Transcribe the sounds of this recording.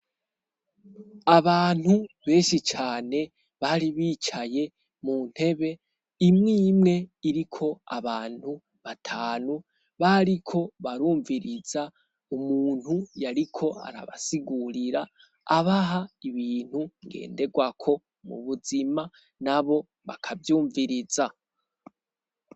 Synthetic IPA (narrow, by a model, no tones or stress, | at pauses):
aβaːn̥huβe̞ːnʃit͡ʃaːne̞ | βaɾiβiːt͡ʃaje̞ | mun̥he̞βe̞ | imŋiːmŋe̞iɾikʰo̞a̰βaːn̥hu | βatʰaːnu | βaɾikʰo̞βaɾuːɱviɾiza | umuːn̥hujaɾikʰo̞a̰ɾa̰βa̰siɡuɾiɾaː | βaɦaiβiːn̥huŋɡe̞̰ːnde̞ɡwakʰo̞ | mṵβuzima | naβo̞ | βakʰavjuːɱviɾiza